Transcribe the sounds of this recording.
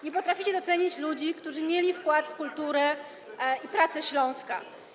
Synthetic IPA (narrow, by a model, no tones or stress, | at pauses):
ɲɛpɔt̪ɾafʲit͡ɕɛd̪ɔt̪sɛɲit͡ɕlud͡ʑikt̪uʐɘmʲjelʲifkwat̪fkult̪uɾɛ | ipɾat̪sɛɕlɔ̃w̃ska̰